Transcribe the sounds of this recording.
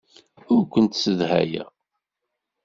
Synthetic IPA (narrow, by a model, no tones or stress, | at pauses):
ʊɾkʷːənt̪səðhæ̰jæ̰